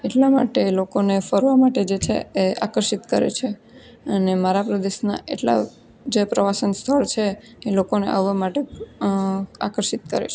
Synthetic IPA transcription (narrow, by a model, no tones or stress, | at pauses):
eʈlama̰ʈelokonefəɾʋamaʈed͡ʒet͡ʃʰḛea̰kəɾʃit̪kəɾḛt͡ʃʰe | ənemaɾapɾəd̪eʃna̰ʔḛʈla̰ | d͡ʒepɾəʋasənst̪ʰəɭt͡ʃʰeː | lokonḛʔa̰ʋːamaʈe | a̰kəɾʃit̪̚kə̰ɾḛt͡ʃʰe